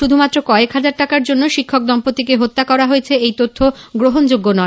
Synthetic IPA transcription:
ʃud̪ʱumat̪ːɾokɔekɦad͡ʑaɾʈakaɾd͡ʑonːoʃikʰːok̚d̪ɔmpot̪ikeɦot̪ːakɔɾaɦojet͡ɕʰeejt̪ot̪ʰːoɡɾoɦond͡ʑoɡːonɔe

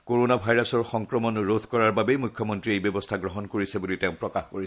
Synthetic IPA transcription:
koɹonabʱajɹasɔɹxɔŋkɹɔmɔnɹot̪ʰkɔɹaɹbabejmujkʰːjɔmɔntɹiejbjɔbɔstʰaɡɹɔɦɔnkoɹisɛbuliteʊ̃pɹɔkaxkoɹi

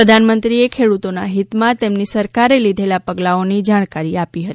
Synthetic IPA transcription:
ɾəd̪ʱanmənt̪ɾiekʰeɽut̪onaɦit̪mãt̪emnisəɾkaɾelid̪ʱelapəɡlaonid͡ʒaɽ̃kaɾiapiɦət̪ii

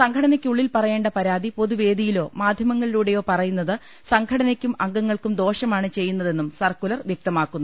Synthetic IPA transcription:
sɐŋkʰɐɽɐnɐkʲːuɭːilpɐrɐje̞ːɳɖɐpɐɾaːd̪ipo̞ðuʋe̞ːd̪ijilo̞ːmaːd̪ʱjɐmɐŋːɐɭiluːɽe̞jo̞ːpɐrɐjunːɐðɨ | sɐŋkʰɐɽɐnɐkʲːumɐŋɡɐŋːɐɭkumd̪o̞ːʂɐmaːɳɨt͡ɕe̞jːunːɐðe̞nːumsɐrkulɐrʋjɐk̚t̪ɐmaːkːunːu

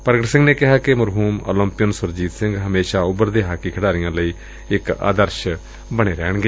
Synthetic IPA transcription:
pəɾɡəʈsɪ̃ŋɡneːkɪɦaːkɪməɾɦuːmo̰ːlə̃mpɪjənsʊɾd͡ʒiːt̪sɪ̃ŋɡɦəmeːʃaːʊbəɾd̪eːɦaːkiːkʰəɽaːɾɪjãːləiː | ɪka̰ːd̪əɾʃ | bəɽ̃eːɾɛ̰ːɳɡeː

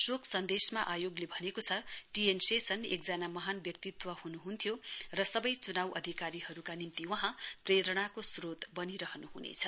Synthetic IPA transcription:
sokʰsʌnd̪esmaʔajoɡlebʱʌnekot͡sʰʌʈiensesʌnḛkd͡zanamʌɦanbjʌk̚t̪it̪wʌhunuɦunt̪ʰjorʌsʌbʌjt͡sunawʔʌ̰d̪ʱikaɾihʌɾukanimt̪iwʌɦãpreɾʌɽ̃akosrot̪bʌniɾʌɦnuɦunḛt͡sʰʌ

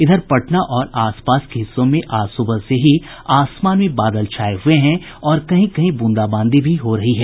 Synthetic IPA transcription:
ɪd̪ʱəɾpɐʈnaʔɔːɾaːspaːskeɦɪsːõmẽʔaːsubəlseɦi | aːsmaːnmẽbaːd̪əlt͡ʃʰaːeɦʊeɦɛ̃ | ɔːɾkɐɦĩkɐɦĩbʊ̃nd̪aːbãːnd̪ʱibʱiɦoɾɐɦiɦɛː

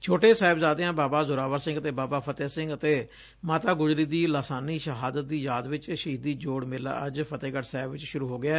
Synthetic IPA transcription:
t͡ʃʰoːʈeːsaːɪbzaːd̪eːãːbaːbaːzʊɾaːʋəɾsɪ̃ŋɡət̪eːbaːbaːpʰət̪eːsɪ̃ŋɡət̪eː | maːt̪aːɡʊzɾiːd̪iːlaːsaːniːʃəɦaːd̪ət̪̚d̪iːjaːd̪ʋɪt͡ʃʃɦiːd̪iːd͡ʒoːɽmɪla̰ːʔəd͡ʒpʰət̪eːɡəʈsaːɪbʋɪt͡ʃʃʊɾuːɦoːɡɪaː

